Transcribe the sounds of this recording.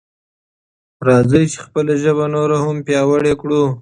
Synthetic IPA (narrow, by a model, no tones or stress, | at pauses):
ɾɑzəjt͡ʃe̥xpəlaʒəβanoɾahampjɑwəɽekɽu